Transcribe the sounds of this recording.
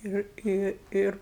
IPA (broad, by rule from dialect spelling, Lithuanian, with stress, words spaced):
ˈɪr ɪ ˈɪr